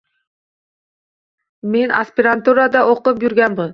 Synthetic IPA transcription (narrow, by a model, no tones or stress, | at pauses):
menaspʲɪɾant̪uɾad̪ɑʔoqʊpjʏɾɡʲænbʊn